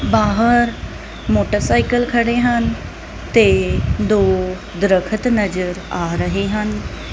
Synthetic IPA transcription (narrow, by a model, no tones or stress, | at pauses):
baːɦəɾ | moːʈəɾsaːɪkəlkʰɐɽeɦənɪ̆ | t̪ed̪oː | d̪ɾəkʰət̪nɐzəɾaːɾɐɦeɦənɪ̆